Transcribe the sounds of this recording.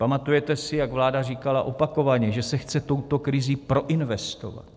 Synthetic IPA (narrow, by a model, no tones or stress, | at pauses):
pamat̪ujɛt̪ɛsɪjaɡvlaːdariːkala̰ʔo̞pako̞vaɲɛʒɛsɛxt͡sɛt̪o̞wt̪o̞kɾɪziːpɾo̞ʔɪnvɛst̪o̞̰va̰t̪